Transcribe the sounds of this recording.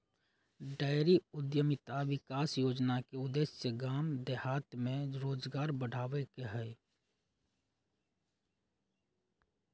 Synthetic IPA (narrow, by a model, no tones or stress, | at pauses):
ɖaːɪɾiʊd̪jəmɪt̪aʋɪkaːsjoːd͡ʒnakeʊd̪eːsseɡaːmd̪ehaːt̪mẽɾoːd͡ʒɡaːɾbəɽ̤ʱaːʋekeɦɛː